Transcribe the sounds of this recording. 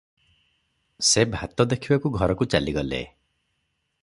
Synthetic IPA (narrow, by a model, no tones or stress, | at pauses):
sebʱat̪ɔd̪ekʰibakuɡʱɔɾɔkut͡ʃaliɡɔlḛ